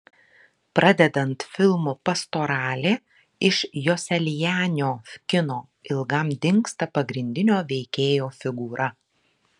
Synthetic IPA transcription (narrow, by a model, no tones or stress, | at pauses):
pɾɐd̪ʲɛd̪ɐnt̪fʲɪlˠmupɐst̪oːɾɑːlʲeː | ɪʃjosʲɛlʲjæːnʲɪoːkʲɪnoː | ɪlˠɡɐmd̪ʲɪŋkst̪ɐpɐɡɾʲɪnʲd̪ʲɪnʲoːʋʲɛɪkʲeːjoːfʲɪɡuːɾʔɐ